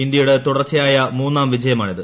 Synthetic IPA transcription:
ind̪jɐjuɽet̪uɽɐrt͡ɕːɐjaːjɐmuːnːaːmʋid͡ʑɐjɐmaːɳiðɨ

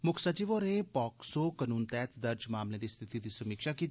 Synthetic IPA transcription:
mʊkʰsət͡ʃiʋoːɾẽpɔːksokənuːnt̪ɛːt̪d̪əɾd͡ʒmaːmlẽd̪iːst̪ʰit̪id̪iːsəmiːkʃaki

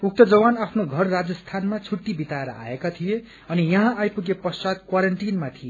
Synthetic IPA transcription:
uk̚t̪ʌd͡zʌwanapʰnoɡʱʌrːad͡zʌst̪ʰanmat͡sʰuʈːibit̪aeɾʌ̰ʔa̰ekat̪ʰije | ʌnijʌɦãajpuɡepʌsad̪̚kwaɾʌɳʈinmat̪ʰije

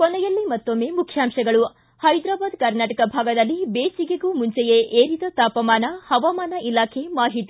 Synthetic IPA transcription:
kɔnɛjɐlːimɐt̪ːomːe̞ːmukʰjaːmʃɐɡɐɭu | hɐjd̪ɾaːbaːd̪kɐɾnaːʈɐkɐbʱaːɡɐd̪ɐlːibeːsiɡeɡuːmuɲt͡ʃejeʔeːɾid̪ɐt̪aːpɐmaːnɐhɐʋamaːnɐʔilaːkʰe̞maːɦit̪i̥

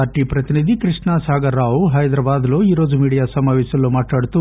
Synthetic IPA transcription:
ɐɾʈipɾɐt̪inid̪ʱikɾiʂɳasaːɡɐɾːaːʋuɦɐjd̪ɾɐbaːd̪loːiːɾo̞ːd͡ʒumiːɽijaːsɐmaːʋɛːsɐlːumaːʈɭaːɽt̪u

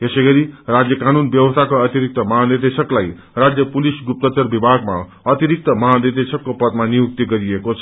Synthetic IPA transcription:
jesʌɡʌɾirad͡zjʌkanunbjʌwʌst̪ʰakoʌt̪iɾik̚t̪ʌmʌɦad̪ed̪esʌklaj | rad͡zjʌpulisɡup̚t̪ʌt͡sʌrbibʱaɡma̰ | ʌt̪iɾik̚t̪ʌmʌɦad̪ed̪esʌkːopʌt̪manijuk̚t̪iɡʌɾiekot͡sʰʌ

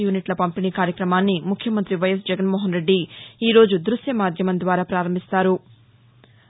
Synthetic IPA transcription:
juːniʈlɐpɐmpiniːkaːɾjɐkɾɐmaːnːimukʰjɐmɐnt̪ɾiʋɐjɐs̬d͡ʒɛɡɐnmoːɦɐnɾe̞ɖːiiːɾo̞ːd͡ʒud̪ɾuʃjɐmaːd̪ʱjɐmɐnd̪ʋaːɾaːpɾaːɾɐmbʱist̪aːɾu

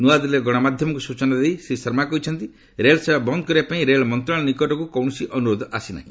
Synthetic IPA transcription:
nuad̪ɔleɡɔɽ̃ɔmad̪ʱjɔmɔŋkusut͡ʃɔnad̪ejsisɔɾmakɔɦit͡ʃʰɔnt̪i | ɾelɔsebʱabɔnd̪ɔkɔɾibapaĩɾeɭɔmɔnt̪ɾaɭ̃ɔnikɔʈɔkukɔwɽ̃ɔsiʔɔnuɾod̪ʱɔʔasina̰ɦĩ

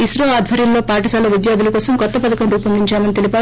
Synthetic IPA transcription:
isɾoaːd̪ʱʋɐɾjɐmlo̞ːpaːʈɐsaːlɐʋid̪jaːd̪ulɐkɔːsɐmkɔt̪ːɐpɐd̪ɐkɐmɾuːpɐnd̪iɲt͡ʃaːmɐnit̪e̞lipaː

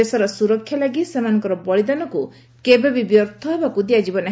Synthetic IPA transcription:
esɔɾɔsuɾɔkʰːjalaɡisemanɔ̃ŋkɔɾɔbɔɭid̪anɔku | kebebibjɔɾt̪ʰɔɦebakud̪iad͡ʒibɔna

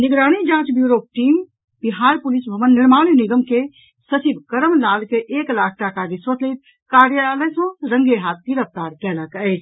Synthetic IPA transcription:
niɡɾaːɽ̃id͡ʒãːt͡ʃbjuɾok̚ʈim | b̥iɦaːɾpulisbʱəmənːiɾmaɽ̃iniɡəmke | sət͡ʃibʱkəɾəmlaːlkeʔeːklakʰʈakad̪isot̪ʰlet̪̚ | kaɾjaləjsõɾə̃ŋɡeɦat̪̚ʰkiɾəp̚t̪aɾkɛləkəɪt͡ʃʰ

